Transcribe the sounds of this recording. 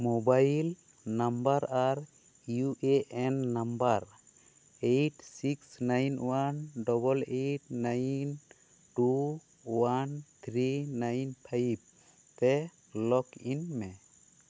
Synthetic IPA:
mobajl | nambaɾaɾ | juʔeʔɛnːambaɾ | ejʈsiksnajnwanɖɔbɔlejʈnajn | ʈu | want̪ʰɾinajnpʰajb̚ | t̪ɛ | lɔkinmɛ

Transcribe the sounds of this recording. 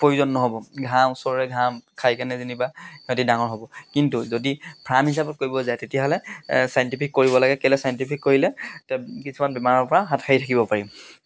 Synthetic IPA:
poɹuzɔnːɔɦɔbɔɡʱaw̃ʊsɔɹɔɹɛɡʱamkʰajkanɛzinibatidaŋɔɹɦɔbɔkintuzodibʱɹamɦisabɔt̚koɹibɔzajtetijaɦɔlɛsajntipʰikːoɹibɔlaɡɛkɛlɛsajɔntipʰikːoɹilɛtɛkisʰumanbɛmaɹɔɹpɔɹaɦatkʰaitʰakibɔpaɹim

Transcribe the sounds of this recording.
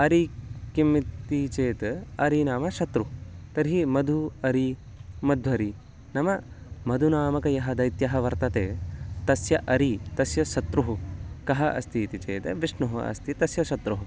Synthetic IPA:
ɐɾikimːit̪it͡ʃeːt̪ɐɾinaːmɐʃɐt̪ɾut̪ɐɾɦimɐd̪ʱuɐɾi | mɐd̪ʱɐɾi | nɐmɐ | mɐd̪ʱunaːmɐkɐjɐɦɐd̪ɐjt̪jɐɦɐʋɐɾt̪ɐt̪eːt̪ɐsjɐʔɐɾit̪ɐsjɐʃɐt̪ɾuɦukɐɦɐʔɐ̰st̪iːt̪it͡ʃḛːt̪ɐʋiʂɳuɦɐɐ̰st̪it̪ɐsjɐʃɐt̪ɾuɦu

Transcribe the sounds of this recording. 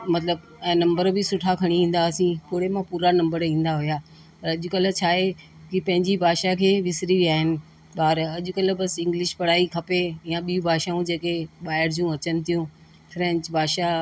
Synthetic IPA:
mɐt̪ləb | ɛ̃ːnɐ̃mbəɾbɪsʊʈʰakʰɐɽ̃iĩːn̆d̪aːsĩpʊːɽemãpuːɾanɐ̃mbəɾĩːn̆d̪aɦʊjaː | pɐɾɐʄʊkɐl̆t͡ɕʰaːɦe | kipɐ̃ɦɪ̃ɲd͡ʑibʱaːʃakʰeːʋɪsɾiʋiaːɦɪnɪ̆ | ɓaːɾɐʄʊkɐlə̆bɐsɪ̃ŋɡlɪʃpɐɽ̤aːikʰɐpeɪjãɓiũbʱaːʃaũd͡ʑeːkeɓaːɪɾd͡ʑũɐt͡ɕənɪ̆t̪ʰijũ | fɾɛ̃ːɲt͡ɕbʱaːʃa

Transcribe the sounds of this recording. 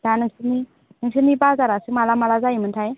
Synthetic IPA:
danɯŋsɯni | nɯŋsɯnibazaɾasɯmalamalazajimɯntʰaj

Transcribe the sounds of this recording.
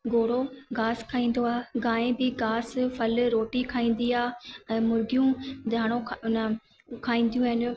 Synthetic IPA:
ɡoːɽ̤oɡaːskʰaːĩːn̆d̪oaːɡãːẽbɪɡaːsfɐlɾoːʈikʰaːĩːn̆d̪iaːɛ̃mʊɾɡijũd̪ʱaːɽ̃õnə | kʰaːĩːn̆d̪jũɦɪn̆

